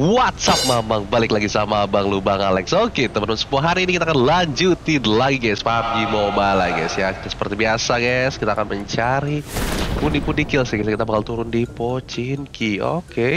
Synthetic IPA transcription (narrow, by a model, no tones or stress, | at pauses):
wat̪̚sap̚mamaŋbalɪklaɡisamabaŋlubaŋalɛksoket̪əmənmansə̥puaɦaɾiːnikit̪akanlaɲd͡ʒut̪idlaɡiɡajspaɦap̪̚ɡimobalaɡajsjakit̪sə̥pərt̪ibiasaɡaskit̪aːkanməɲt͡ʃaɾipundipundikɪlsɪhɡskit̪abakalt̪uɾʊndipot͡ʃinkio̰ke